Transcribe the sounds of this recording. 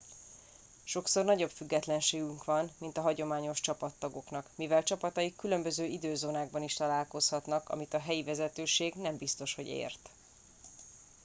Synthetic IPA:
ʃo̞kso̞rnɒɟo̞bfyɡːɛt̪lɛnʃeːɡyŋkʋɒnmint̪ɒɦɒɟo̞maːɲoʃt͡ʃɒpɒt̪ːɒɡo̞knɒkmivɛlt͡ʃɒpɒt̪ɒjikːylø̞mbøzøːid̪øːzoːnaːɡbɒniʃt̪ɒlaːlko̞shɒt̪nɒkɒ̰mit̪ɒɦɛjivɛzɛt̪øːʃeːɡnɛmbist̪o̞ʃho̞̰ɟḛːrt̪

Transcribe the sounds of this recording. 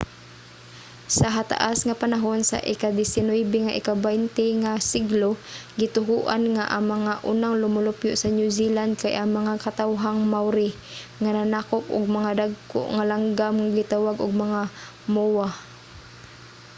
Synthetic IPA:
saɦat̪a̰ʔasŋapanaɦonsa̰ʔɪkad̪ɪsɪnoɛbɛŋaʔɪ̰kabajnt̪ɛŋasiɡloɡɪt̪ʊɦuʔanŋaʔaŋmɐŋaʔunaŋlʊmʊlʊpjoʔsɐnjuziland̪̚kajʔaŋmɐŋakat̪awɦaŋmawɾɪ | ŋananaːkopʔʊ̰ɡ̚mɐŋad̪aɡ̚ko̰ʔŋalaŋɡamŋaɡɪt̪awaɡʔʊɡ̚mɐŋa | mowa

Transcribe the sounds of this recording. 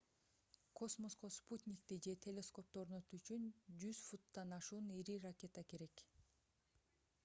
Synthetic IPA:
kʰo̞smo̞sqosput̪ʲnʲɪkt̪id͡ʒe̞t̪ʰʲe̞lʲe̞sko̞p̚t̪o̞ɾno̞t̪uyt͡ʃynd͡ʒyz̥fut̪ːɑnɑʃuːniɾirakʲe̞t̪əke̞ɾe̞k

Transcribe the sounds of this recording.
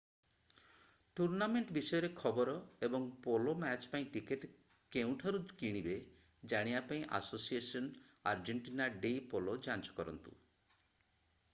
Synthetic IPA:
ʈuɾnameɳʈbisɔjɔɾekʰɔbɔɾɔebɔŋpolomɛt͡ʃpaĩʈikeʈ | kew̃ʈʰaɾukiɽ̃ibe | d͡ʒaɽ̃iapaĩʔa̰sosiesɔn | a̰ɾd͡ʒeɳʈinaɖejpolod͡ʒant͡ʃɔ̥kɔɾɔ̰nt̪ṵ

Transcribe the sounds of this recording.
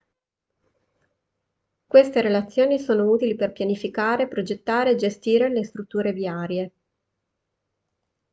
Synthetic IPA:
kwest̪eɾelat̪sːjoːnisoːnouːt̪iliperpjanifikaːɾepɾod͡ʒet̪ːaːɾeːd͡ʒest̪iːɾelest̪ɾut̪ːuːɾeviaːɾje

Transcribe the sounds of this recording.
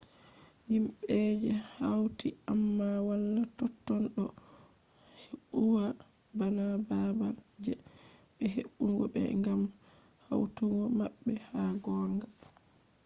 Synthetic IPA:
himɓɛd͡ʒɛhawtiamːawalːatɔtːɔnɗɔ | heɓuwa | banababa | d͡ʒɛ | ɓɛɦeɓːuŋɡɔbɛ̰ŋɡam | ha̰wtuŋɡɔmaɓːɛhaɡɔːŋɡa

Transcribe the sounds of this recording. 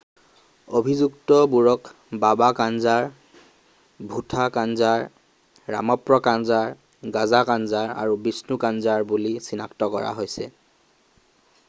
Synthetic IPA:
obʱizuktɔbuɹɔk | babakanzaɹ | bʱutʰakanzaɹː | a̰mɔpɹɔkanzaɹ | ɡazakanzaɹa̰ɹubisnukanzaɹbulisinaktɔkɔ̰ɹa̰ɦojsɛ̰

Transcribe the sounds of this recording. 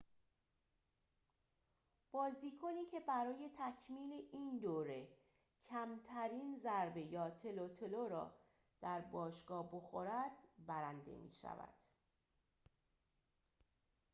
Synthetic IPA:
b̥ɒːziːkʰoniːcʰe̞bæɾɒːje̞t̪ʰæcʰmiːleʔiːnd̪oːɾe | cʰæmt̪ʰæɾiːnzæɾbe̞jɒːt̪ʰe̞lot̪ʰeloɾɒ̰ː | d̪̥æɾbɒːʃɡ̥ɒːbo̞xoɾæd̪̥bæɾænd̪e̞̰mḭːʃæ̰væ̰d̪̥

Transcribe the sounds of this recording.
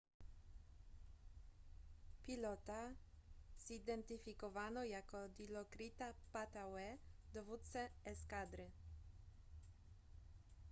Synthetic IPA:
pilɔt̪a | sid̪ɛnt̪ifikɔvanɔjakɔd̪ilɔkɾit̪apat̪awɛd̪ɔvut̪sɛɛskad̪ɾɪ

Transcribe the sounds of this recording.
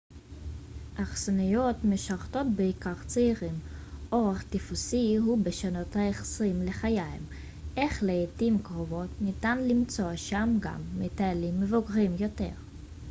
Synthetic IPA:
ʔaχsanujo̞tmeʃaʁto̞t̚beikaʁt͡seiʁimʔo̞ʁeχt̪ifusihubeʃano̞thaeχsʁimle̞χajajm | ʔeχleːtimkʁovo̞tnitanlimt͡soaʃamɡa̰mːetaalimːevoɡʁimjo̞te̞̰ʁ

